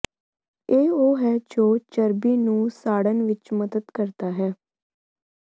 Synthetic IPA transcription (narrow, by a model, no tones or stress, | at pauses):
eːoːɦɛːd͡ʒoːt͡ʃəɾbiːnũːsaːɽənʋɪt͡ʃməd̪əd̪kəɾt̪aːɦɛː